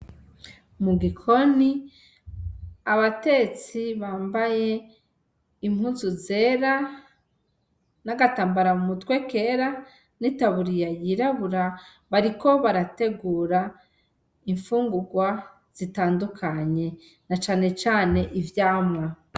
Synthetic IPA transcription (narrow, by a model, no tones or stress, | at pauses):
muɡikʰo̞ni | βate̞t͡siβaːmbaje̞ | im̥huːnzuze̞ːɾa | naɡataːmbaɾamumutweke̞ːɾa | nitaβuɾijajiɾaβuɾa | βaɾiko̞βaɾate̞ɡuːɾa | iɱfuːŋɡuɡwa | z̥itaːndukʰaɲe̞ | nat͡ʃaːne̞t͡ʃaːne̞ʔivjaːmwa